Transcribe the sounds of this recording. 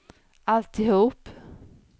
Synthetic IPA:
ʔalt̪ɪhuːp

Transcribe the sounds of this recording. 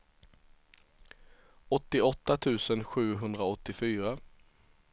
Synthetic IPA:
ɔt̪ːɪɔt̪ːat̪ʰʉ̟ːsənɧʉ̟ːɦɵnd̪ɾaɔt̪ːɪfyːɾa

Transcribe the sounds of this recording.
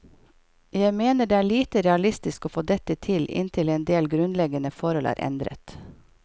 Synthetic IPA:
jæɪmeːnəɖeːæːɭiːt̪əɾɛɑlɪst̪ɪskoːfoːd̪ɛt̪ət̪ʰɪlɪ̰nt̪ʰɪleːnd̪eːlɡɾʉnlɛɡənəfɔɾhɔlæ̰ːɾʔɛ̰nd̪ɾə̰t̪

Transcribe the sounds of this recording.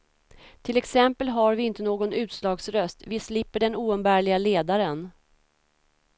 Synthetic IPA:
t̪ʰɪlɛksɛmpəlɦaɾvɪɪnt̪ənoːɡɔnʉ̟ːt̪slɑːɡsɾœst̪vɪslɪpːəɖɛnuːɛnbæːɭɪɡaleːd̪aɾən

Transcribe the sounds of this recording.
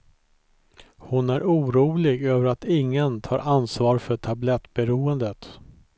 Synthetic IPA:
hʊnæɾuːɾuːlɪɡøːvəɾat̪ɪŋːənt̪ʰɑːɾʔansvɑːɾfœʈʰablɛt̪ːbɛɾuːənd̪ət̪

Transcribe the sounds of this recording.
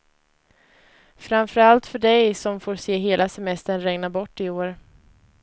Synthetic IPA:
fɾamfœɾalt̪fœɖɛjsɔmfoːɾseːɦeːlasɛmɛst̪əɳɾɛŋnabɔʈːɪoːɾ

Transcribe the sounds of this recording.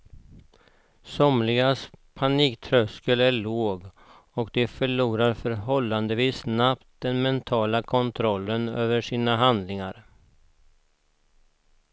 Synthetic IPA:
sɔmlɪɡaspʰaniːkt̪ʰɾœskəlæɭoːɡ | ɔkd̪ɛfœɭuːɾaɾfœɾɦɔlːand̪əviːsnapt̪̚d̪ɛnmɛnt̪ʰɑːlakʰɔnt̪ʰɾɔlːənøːvəʂiːnaɦand̪lɪŋaɾ

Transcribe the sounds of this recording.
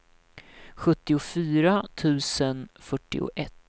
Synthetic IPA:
ɧɵt̪ːɪʊfyːɾat̪ʰʉ̟ːsənfœʈːɪ̰ʊ̰ʔɛt̪ː

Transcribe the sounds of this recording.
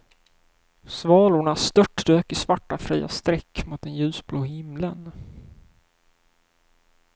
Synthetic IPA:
svɑːlʊɳast̪œʈːd̪øːkɪsvaʈːafɾiːa̰st̪ɾɛkːmʊt̪ɛnjʉ̟ːsbloːhɪmlən

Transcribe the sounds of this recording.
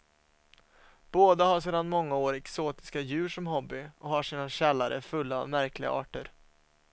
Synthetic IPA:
b̥oːd̪ahaʂ̬eːd̪anmɔŋːaoːɾɛksoːt̪ɪ̥skajʉ̟ːʂɔmɦɔbːɪɔɦhaʂiːnaɕɛlːaɾə̰fɵlːa̰ːmæɾklɪɡa̰ʔɑːʈəɾ

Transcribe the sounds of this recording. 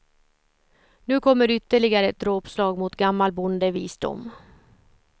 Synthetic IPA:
nʉ̟ːkʰɔmːəɾʏt̪ːəɭɪɡaɾəɛt̪̚d̪ɾoːpslɑːɡmʊt̪ɡamːalbʊnd̪əviːsd̪ʊ̰mː

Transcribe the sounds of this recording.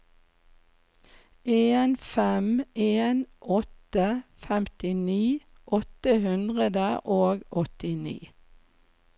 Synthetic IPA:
ʔeːnfɛmeːnʔɔt̪əfɛmt̪ɪniː | ʔɔt̪əhʉnd̪ʁəd̪əʔoːɡɔt̪ɪnḭː

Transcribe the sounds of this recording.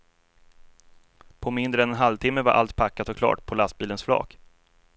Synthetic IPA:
pʰɔmɪnd̪ɾəɛnɛnɦalvt̪ʰɪmːəvaɾʔa̰lt̪̚pʰakːat̪ɔkʰlɑ̰ːʈpʰɔlast̪̚biːlənsflɑ̰ːk

